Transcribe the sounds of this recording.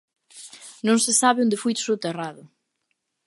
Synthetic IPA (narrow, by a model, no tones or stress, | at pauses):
nõŋsesaβɪond̪ɪfujt̪sut̪eraðʊ